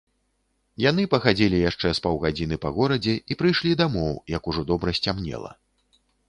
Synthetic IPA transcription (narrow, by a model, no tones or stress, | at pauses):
jan̪ɨpɐxad͡zʲilʲijaʂt͡ʂɛspawɣad͡zʲinɨpɐɣɔɾɐd͡zʲɛipɾɨjʂlʲid̪amɔwjɐkuʐɔd̪ɔbɾɐsʲt͡sʲamnʲɛ̰lˠɐ̰